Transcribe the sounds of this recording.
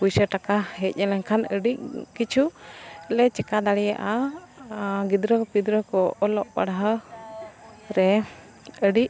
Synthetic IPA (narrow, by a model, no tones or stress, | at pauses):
pujsəʈakaɦɛc̪̚ˀɲɛlɛŋkʰanəɖiʔ̚kit͡ʃʰuɛlɛt͡ʃɛkad̪aɽija̰ʔa | ɡid̪ɾəpid̪ɾəkɔɔlɔʔpa̰ɽaɦə | ɾɛ | əɖiʔ̚